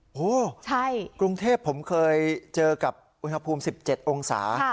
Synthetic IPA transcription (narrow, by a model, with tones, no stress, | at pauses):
ʔoː˧˥˩t͡ɕʰa˥˩jkɾu˧ŋt̪ʰeː˥˩pʰːo˩˦mkʰɤː˧jt͡ɕɤː˧ka˨˩p̚ʔu˧nha˧pʰuː˧msi˨˩p̚t͡ɕe˨˩t̪̚ʔo˧ŋsa̰ː˩˦